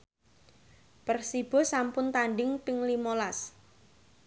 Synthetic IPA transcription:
pərsib̥ɔ̤sampʊnt̪aɳɖɪŋpɪŋlimolas

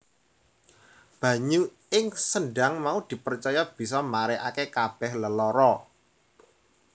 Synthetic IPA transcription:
b̥ä̤ɲu | ɪŋsənɖa̤ŋmaud̪̥i̤pərt͡ʃɔjɔb̥i̤s̬ɔmaɾeʔakekab̥ɛ̤hləlɔɾɔ

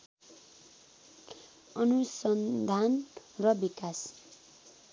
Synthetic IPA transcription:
ʌnusʌnd̪ʱanrʌbikas

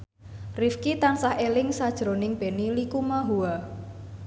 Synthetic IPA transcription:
rifkit̪ansahelɪŋsad̥ʒ̥ɾonɪŋb̥e̤nilikumaɦua

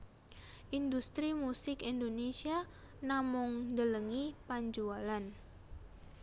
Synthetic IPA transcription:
ʔindust̪ɾimusɪkindonesia | namʊŋdələŋipaɲd͡ʒualan

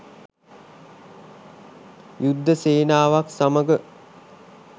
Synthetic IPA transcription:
jud̪ʱːəseːnaːʋaksaməɡə

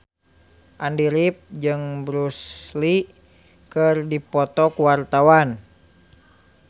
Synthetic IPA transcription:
ʔandiɾip̚d͡ʒɨŋbɾusli | kɨrdipɔt̪ɔkuwart̪awan

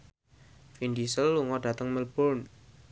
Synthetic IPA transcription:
findisəlːuŋɔɖ̥ä̤t̪əŋməlb̥ɔn

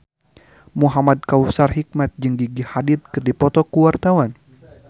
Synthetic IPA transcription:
muɦamad̪̚kausarɦik̚mat̪̚d͡ʒɨŋɡiɡihadit̪̚kɨrdipɔt̪ɔkuwart̪awan

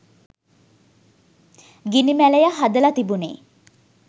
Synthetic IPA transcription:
ɡinimæləjaɦad̪əlat̪ibunḛː

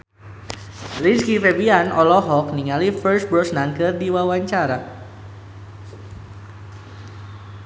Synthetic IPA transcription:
liskifebianʔɔlɔɦɔk̚niŋalifərs̚bɾɔsnankɨrdiwawaɲt͡ʃaɾa

